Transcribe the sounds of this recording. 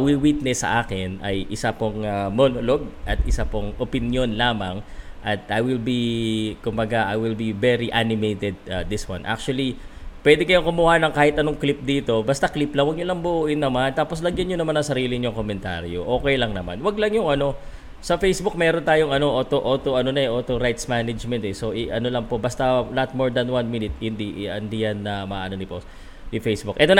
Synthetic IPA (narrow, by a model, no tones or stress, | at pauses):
wiwit̪̚nɛsɐ̰ʔaːkɪnʔɐ̰jʔɪsapoŋɐmo̞ːnolo̞ɡ̚ʔɐt̪ɪsapoŋʔopɪnjo̞nlaːmɐŋʔɐt̪̚ʔajwɪlbikʊmbɐɡaʔajwɪlbivɛɾiʔanɪmejt̪ɛd̪̚aːɪswɐ̰nʔa̰k̚t͡ʃʊuɐlipwɛd̪ɛkɐjoŋkʊmʊhanɐŋkaːhɪt̪ʔɐno̞ŋklip̚d̪iːt̪o̞bɐst̪ɐkliplɐŋwɐɡ̚ɲʊlɐŋbʊʔuːʔɪnːɐmant̪aːpo̞slɐɡjɐnɲjonɐmɐnɐŋsɐɾiːlɪɲʊŋkomɛnt̪a̰ɾjo̰ʔo̞ːkɛjlɐŋnɐma̰nwɐɡlɐŋjʊŋɐno̞ | sɐfejsbuk̚mɛːɾont̪aːjoŋʔɐno̞ʔoːt̪oʔoːt̪oʔɐno̞nɐɛʔoːt̪oɾajt̪smanɐd͡ʒmɛnt̪ɛso̞ʔɪʔɐno̞lɐŋpo̞bɐst̪ɐnɐt̪̚moɹd̪ɐnwanminɪt̪hɪnd̪iʔɐnd̪ijɐnːɐmɐanonɪpo | jifejsbukʔɛt̪on